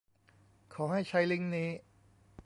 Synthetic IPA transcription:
kʰɔː˩˦ha˥˩jt͡ɕʰa˧jli˦˥ŋniː˦˥

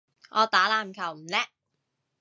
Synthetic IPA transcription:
ʔɔː˨˧t̪aː˨˥laː˨˩mkʰɐ˨˩wm̩˨˩lɛː˥

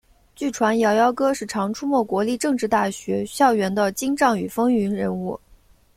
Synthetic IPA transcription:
t͡ɕy˥˩ʈ͡ʂʰwa˧˥njɑ˧˥ʊjɑ˥ʊkɤ˥ʂɻ̩˥˩ʈ͡ʂʰɑ˧˥ŋʈ͡ʂʰu˥mwɔ˥˩kwɔ˧˥li˥˧ʈ͡ʂɤ˥˧ŋʈ͡ʂɻ̩˥˧t̪a˥˩ɕɥɛ˧˥ɕjɑ˥˩ʊɥɛ˧˥nd̪ə˧t͡ɕi˥ŋʈ͡ʂɑ˥˩ŋy˨˩fɤ˥ŋy˧˥nɻə˧˥nu˥˩

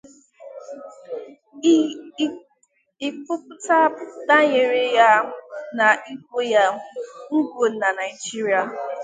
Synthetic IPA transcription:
ɪ˨kʊ˦pʊ˦ta˦da˦ɲe˨ɾe˦ja˦na˨ʔi˦kʷo˦ja˦ŋ̩˦ɡʷo˨na˨na˨ɪ˨d͡ʒi˦ɾi˨˦a˨

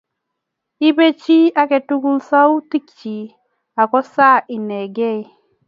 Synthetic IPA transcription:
i˦be˦t͡ʃi˦a˦kɛ˨tu˦ku˦lsa˦wu˦ti˦kt͡ʃi˨ | a˨kɔ˦sa˦i˨nɛ˨ɡɛ˦i˦

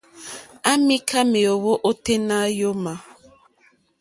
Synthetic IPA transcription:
a˦mi˦kʰa˦me˨o˨wo˦ʔo˦te˦na˦jo˦ma˨

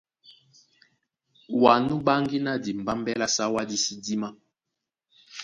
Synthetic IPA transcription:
wa˨nu˦ba˦ŋɡi˦na˦di˨m˨ba˦m˦bɛ˦la˦sa˦wa˦di˦si˦di˦ma˦

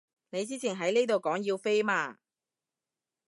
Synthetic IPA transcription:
ne˨˧jt͡siː˥t͡sʰi˨˩nɦɐ˨˥jniː˥t̪o˨wkɔː˨˥ŋji˧wfe˥jmaː˧

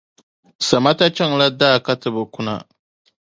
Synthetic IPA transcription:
sa˨ma˦ta˦t͡ʃɛ˦ŋla˦daː˦˨ka˦tɨ˨bɨ˨kʊ˦na̰˨

